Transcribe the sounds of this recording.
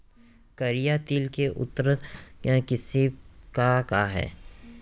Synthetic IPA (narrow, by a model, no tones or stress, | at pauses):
kɐɾijat̪iːlkeʔʊ̰t̪ːəɾəãkɪsikakaɦɛ̰ː